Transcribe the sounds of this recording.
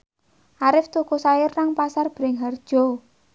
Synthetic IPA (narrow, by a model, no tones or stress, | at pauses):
ʔaɾɪft̪ukosajɪrːaŋpasarb̥ɾɛŋɦard̥ʒ̥ɔ